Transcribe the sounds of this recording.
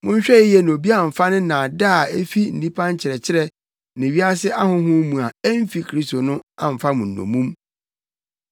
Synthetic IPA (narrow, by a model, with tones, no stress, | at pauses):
mʊ̃˦ɲ̩˦ɕᶣɛ˦ɪ˦jɛ˨ñ˨o˨bi˦a˦˨m̩˨fa˦nɪ̃˦nã˨da˦˨e˦fi˦n̩˨nĩ˦pʰã˦ɲ˦t͡ɕʰɪ˨ɾɛ˨t͡ɕʰɪ˦ɾɛ˦ | nɪ̃˨ɥi˦a˦sɪ˦ʔa˦hʊ̃˦ɦʊ̃˦mũ˨a˨ɛ˦m˦fi˦kʰɾi˦sto˨nʊ̃˦ã̰˨m̩˨fa˦mʊ̃˨n̩ː˨õ̰˨mũ˦m